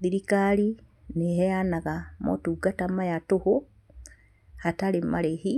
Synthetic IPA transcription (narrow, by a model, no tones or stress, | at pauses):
ðiɾikaɾi | neɦɛjanaɣamo̰tuɡatamajatoho | hataɾemaɾehi